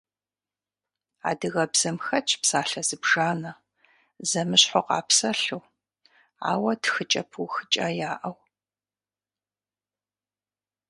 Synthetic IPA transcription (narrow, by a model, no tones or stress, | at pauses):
a̰ːdɨɣɐbz̥ɐmxɐt͡ʃʰʼpsaːɬɐz̥ɨbʒaːnɐ | zɐmɨɕħoqɑ̰ːpsɐɬuw | a̰ːwɐtʰxɨt͡ʃʼɐ̰pʰuxɨt͡ʃʼaːjaːʔɐw